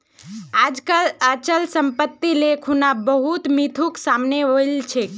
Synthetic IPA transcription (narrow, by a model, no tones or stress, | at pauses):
ad͡ʒkalət͡ʃəlsəmpət̪ːilekʰunabəɦut̪mit̪ʰuksamneoilt͡ʃʰe